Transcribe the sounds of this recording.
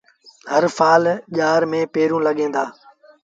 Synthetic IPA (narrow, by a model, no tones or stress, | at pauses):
həɾfʰaːlʄaːɾmẽːpeːɾũːlɐɠẽːnd̪aː